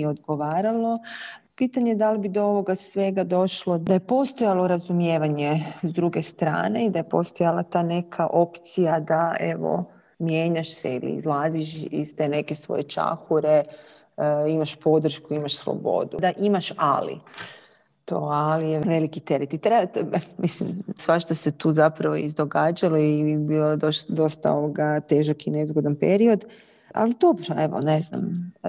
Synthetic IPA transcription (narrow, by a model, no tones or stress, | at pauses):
iod̪ɡoʋaːɾalˠo̞piːt̪aɲed̪alibid̪ooʋo̞ɡasʋe̞ɡad̪o̞ʃlod̪aje̞po̞st̪o̞jalˠo̞ɾazumjeːʋaɲe̞zd̪ɾuɡe̞st̪ɾa̰ːne̞id̪aje̞po̞̰st̪o̞jalat̪aːne̞kʰaʔo̞pt̪sijad̪ae̞ʋo̰ | mje̞ːɲaʃsḛḭlḭːzlˠaːziʃḭst̪e̞ne̞ke̞sʋo̰jet͡ʃa̰xuɾe | imaʃpo̞d̪ɾ̩ʃkuimaʃslˠo̰bo̞̰d̪ud̪aʔimaʃalḭ | t̪oːalijeʋe̞likit̪e̞ɾet̪it̪ɾet̪mislimsʋaʃt̪ose̞t̪uːzapɾaʋo̰izd̪o̞ɡaːd͡ʑaloibiod̪od̪o̞st̪aoʋoɡat̪eʒakinezɡod̪anpe̞ɾio̞d̪ | a̰lid̪obɾoeʋo̰ne̞zna̰m